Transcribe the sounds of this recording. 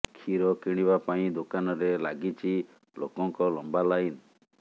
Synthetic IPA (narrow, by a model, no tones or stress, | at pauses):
kʰiɾɔkiɽ̃ibapaĩd̪okanɔɾelaɡit͡ʃʰi | lo̰kɔŋkɔlɔmbalain